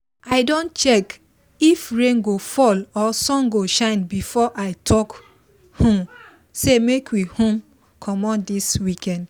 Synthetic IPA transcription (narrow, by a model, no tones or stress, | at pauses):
aɪdõntt͡ʃɛk | ifɹẽŋɡofɔlɔsɔ̃ŋɡoʃãɪ̃nbifɔʔaɪtʰɔk | hõm | semekwihõm | kʰɔmɔ̃ndiswikɛ̃nd